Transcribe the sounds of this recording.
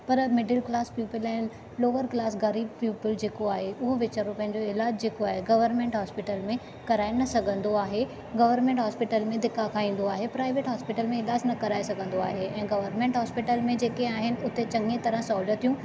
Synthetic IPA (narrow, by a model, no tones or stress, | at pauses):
pɐɾmɪɖɪlklaːspjuːpɪlɛ̃ː | loːʋəɾklaːsɡɐɾiːb̚pjuːpɪld͡ʑeːkoaːɦeʔʊɦoʋɪt͡ɕaːɾopɐ̃ɦɪ̃ɲ̆d͡ʑoɪlaːd͡ʑd͡ʑeːkoaːɦeɡɐʋəɾnmẽɳʈɦɔːspɪʈəlmẽ | kɐɾaːenɐsɐɡʱə̃nd̪oaːɦe | ɡɐʋəɾnmẽːɳʈɦɔːspɪʈəlmẽd̪ɪkːakʰaːĩːn̆d̪oaːɦepɾaːɪʋeːʈɦɔːspɪʈəlmẽɪlaːsnɐkɐɾaːesɐɡʱə̃nd̪oaːɦeɛ̃ːɡɐʋəɾnmẽːɳʈɦɔːspɪʈəlmẽd͡ʑeːkeaːɦɪnɪ̆ʊt̪et͡ɕɐ̃ŋɡet̪ɐɾə̃saːlət̪ʰijũ